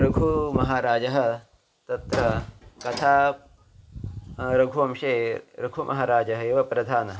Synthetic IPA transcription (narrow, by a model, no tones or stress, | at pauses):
ɾɐɡʱumɐɦaːɾaːd͡ʒɐɦɐ̆ | t̪ɐt̪ɾɐkɐt̪ʰaː | ɾɐɡʱuɐmʃeːɾɐɡʱumʔɐ̰ɦaːɾaːd͡ʒɐɦɐeːʋɐpɾɐd̪ʱaːnɐ